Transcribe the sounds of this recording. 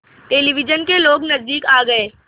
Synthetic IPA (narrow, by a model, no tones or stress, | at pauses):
ʈeːliʋɪd͡ʒənkeloːɡnɐzd̪iːkaːɡɐeː